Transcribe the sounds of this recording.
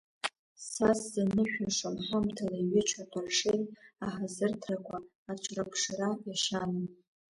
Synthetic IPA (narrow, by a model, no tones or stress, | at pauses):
saszanɨʃᶣaʂanħamtʰalaiɥɪt͡ʃʰatʰʼaʂejtʼaħazɨrtʰrakʷʰaː | t͡ʃʷʼʰrapʰʂrajaʃan